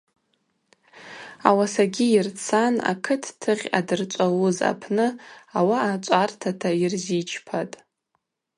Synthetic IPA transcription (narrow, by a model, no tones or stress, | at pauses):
awasaɡʲiirt͡sʰana̰kʰɨtʰtʰɨʁʲa̰dɨrt͡ʃʷʼawuza̰pʰnɨawaːt͡ʃʷʼartʰatʰairzit͡ʃʰpʰatʼ